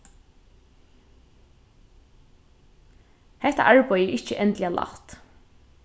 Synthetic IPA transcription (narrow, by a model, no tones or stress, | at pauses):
hɛht̪a̰ʔaɹpɔjɪʔɪht͡ʃəʔɛnt̪lɪalʔa̰ht̪